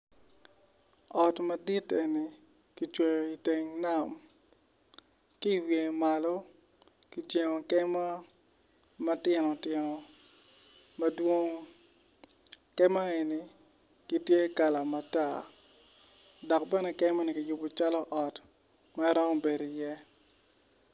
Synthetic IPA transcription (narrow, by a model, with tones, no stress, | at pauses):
ɔ˨tmɐ˨di˦te˨ni˨ | ki˨t͡ʃwe˨jo˨i˨te˨ŋna˦˨m | ki˦˨wje˨ma˨lɔ˦ | ki˨tje˨ŋo˨kɛ˦ma˦ | ma˦tɪ˨nɔ˨tɪ˨nɔ˨ | mɐ˦dwo˦ŋ˦ | kɛ˦ma˦e˨ni˨ | ki˦tje˦ka˨la˨ma˨ta˦˨ | dɔ˨k̚bɛ˦nɛ˨kɛ˦ma˦ni˨ki˨jʊ˨bo˨t͡ʃa˦lɔ˦ʔɔ˨t | ma˦ɾɔ˦mɔ˦be˨do˨i˨jɛ˦